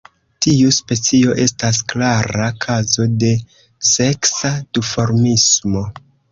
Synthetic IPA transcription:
tiuspe̞t͡sio̞ʔe̞stasklaɾakʰazo̞de̞ | se̞ksadufo̞ɾmismo̞

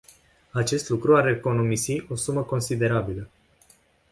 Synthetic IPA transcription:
at͡ʃe̞st̪lukɾuaɾeko̞no̞misiʔo̞suməko̞nsid̪e̞ɾabilə

